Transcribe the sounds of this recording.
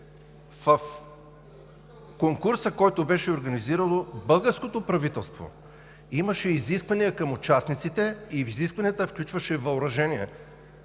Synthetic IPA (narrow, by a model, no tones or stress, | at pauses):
vɐf | koŋkuɾsəkɔjt̪obɛʃɛoɾɡɐniziɾəlˠobɤlˠɡəɾskot̪opɾɐvit̪ɛlˠst̪vo̰ | iməʃɛiziskvɐnijəkɐmʊt͡ʃasnit̪sit̪ɛifiziskvɐnijət̪əfklʲut͡ʃvɐʃɛvɐʊɾɐʒɛniɛ̰